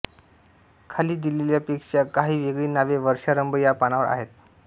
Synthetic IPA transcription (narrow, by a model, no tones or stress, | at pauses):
kʰaliːd̪ileljapekʂakaɦiːʋeɡɭiːnaʋeʋəɾʂaɾəmbəjapanaʋəɾa̰ɦet̪